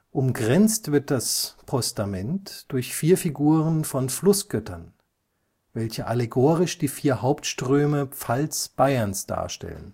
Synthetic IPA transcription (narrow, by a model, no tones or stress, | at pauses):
ʔʊmɡʁɛnt͡stv̥ɪɐt̚d̥aspʰɔstamɛntd̥ʊɐçfiːɐfiɡuːʁənfɔnflʊsɡ̥œtɐn | vɛlçəʔaleɡoːʁɪʃd̥iːfiːɐhaʊptʃtʁ̥øːməp͡falsb̥aɪɐnsd̥a̰ːɐʃtɛ̰lə̰n